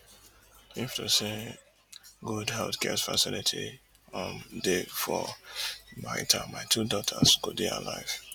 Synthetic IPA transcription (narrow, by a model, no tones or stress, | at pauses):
iftuse | ɡudhɛltkʰɛsfasɪlitʰi | ɔ̃ndefɔ | maɪtʰamaɪtʰudɔtʰəskudia̰la̰ɪv̥